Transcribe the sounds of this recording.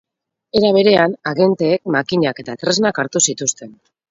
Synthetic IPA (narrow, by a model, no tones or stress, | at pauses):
e̞ɾaβ̞e̞ɾe̞anaɣe̞nt̪e̞ːk̚makiɲake̞t̪at̪ɾe̞znakaɾt̪usit̪ust̪e̞n